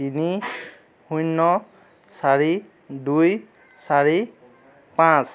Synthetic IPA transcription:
ini | hujnːɔ | saɹi | duj | saɹi | pãs

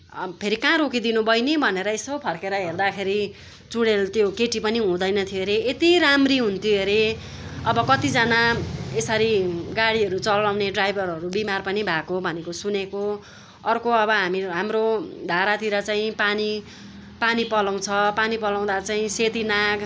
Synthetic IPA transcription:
pʰeɾikãɾokid̪inubʌjnebʱʌneɾʌesʌbpʰʌrkeɾʌɦerd̪akʰeɾi | t͡suɽelt̪jokeʈipʌniɦũd̪ʌjnʌt̪ʰieɾeet̪iɾamriɦunt̪ʰieɾe | ʌbʌkʌt̪id͡zanaesʌɾiɡaɽiɦʌɾut͡sʌlːawneɖrajbʱʌɾʌɾubimarpʌnibʱakobʱʌnekosuneko | ʌrkoʌbʌɦamiɦamrod̪ʱaɾat̪iɾʌt͡saĩpani | panipʌlaw̃t͡sʰʌpanipʌlaw̃d̪at͡saĩset̪inaɡ

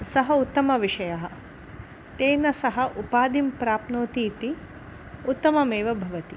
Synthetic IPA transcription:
sɐɦɐut̪ːɐmɐʋiʂɐjɐɦɐ̆ | t̪eːnɐsɐɦɐʔupaːd̪impɾaːpnoːt̪iːt̪i | ut̪ːɐmɐmeːʋɐbʱɐʋɐt̪i

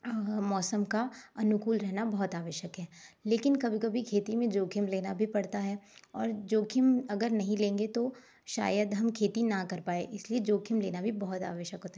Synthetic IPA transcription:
mɔːsəmkaɐnʊkuːlɾɛɦnabɐɦʊt̪aːʋəʃəkɦɛːleːkɪnkɐbʱikɐbʱikʰeːt̪imẽd͡ʒoːkʰɪmleːnabʱipɐɽt̪aɦɛːɔːɾd͡ʒoːkʰɪmɐɡəɾnɐɦĩlẽːŋɡet̪o | ʃa̰ːjəd̪ɦɐmkʰeːt̪inakɐɾpaːḛʔɪslied͡ʒoːkʰɪmleːnabʱibɐɦʊt̪a̰ːʋəʃjəkɦoːt̪aɦ

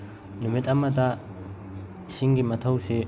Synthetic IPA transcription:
numitɐmɐtɐ | siŋɡimɐtʰɐwse

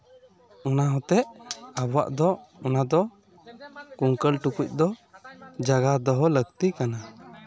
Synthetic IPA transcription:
unaɦɔt̪ɛʔabɔwa̰ʔd̪ɔɔnad̪ɔ | kuŋkəlʈukuc̚ˀd̪ɔ | d͡ʒaɡad̪ɔɦɔləɡt̪ikana

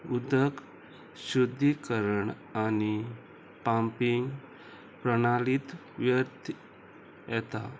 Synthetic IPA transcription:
ud̪ək | ɕud̪ʱːikəɾəɳ | ani | pãmpiŋɡ | pɾəɽ̃alit̪ | ʋjəɾt̪ | jɛt̪a̰

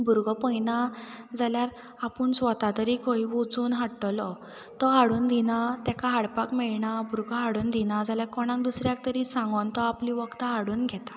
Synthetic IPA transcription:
bʱuɾɡʱɔpəjnad͡zaljaɾ | apuɳsʋət̪at̪əɾikʰɔiʋod͡zuːnɦaʈːɔlɔ | t̪ɔɦaɽuːnd̪ʱinat̪jakaɦaɽpakmɛɭɳabʱuɾɡʱɦaɽuːnd̪inad͡zaljaɾkɔɽ̃ãŋk̚d̪usɾjak̚t̪əɾisãŋɡɔnt̪ɔapliʋəkt̪aɦaɽuːnɡʱɛt̪ḁ

